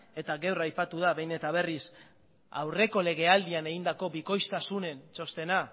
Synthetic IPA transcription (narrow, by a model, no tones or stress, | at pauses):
e̞t̪aɣewrajpat̪uð̞aβe̞jne̞t̪aβ̞e̞ris | a̰wre̞ko̞le̞ɣ̞e̞ald̪iane̞ɣind̪ako̞biko̞jst̪asune̞nt͡ʃo̞st̪e̞na